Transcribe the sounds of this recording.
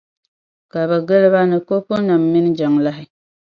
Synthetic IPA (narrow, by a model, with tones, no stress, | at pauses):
ka˨βɛ˨ɡɨ˦lɨ˦βa˦nɨ˨ko˦po˦na˨mːi˦n˦d͡ʒa˨ŋla˦ɦɪ˦